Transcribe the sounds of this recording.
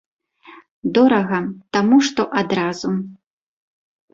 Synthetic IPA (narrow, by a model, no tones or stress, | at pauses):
d̪ɔɾɐɣɐt̪amuʂt̪ɔʔad̪ɾaz̥u